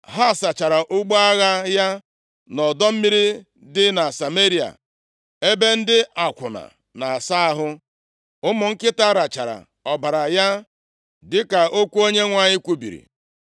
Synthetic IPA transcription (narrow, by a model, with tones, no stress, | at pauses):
ɦa˦˨sa˨t͡ʃa˨ɾa˨ʔʊ˦ɡ͡bo˦a˦ɣa˦ja˦ | nɔ˨dɔ˦m̩˦mi˦ɾi˦ | dɪ˦na˨sa˨me˦ɾi˨a̰˨ | e˦be˦n̩˦dɪ˦a˨kʷʊ˨na̰˨ | na˨a˨sa˦a˦ɦʊ˦ | ʊ˦mʊ˨ŋ̩˦kɪ˦ta˦ɾa˨t͡ʃa˨ɾa̰˨ | ɔ˨ba˨ɾa˨ja˦ | dɪ˦ka˨ʔo˦kʷu˦o˦ɲe˦ŋʷa˨ɲɪ˦kʷu˦bḭ˨ɾḭ˨